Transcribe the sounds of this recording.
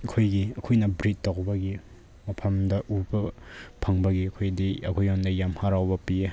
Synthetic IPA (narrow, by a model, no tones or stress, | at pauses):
ɐkʰojɡiɐkʰojnɐbɾit̚ːawbɐɡi | mɐpʰɐmdɐʔubɐpʰɐŋbɐɡiɐkʰojdiɐkʰojandɐjamhaɾawbɐpie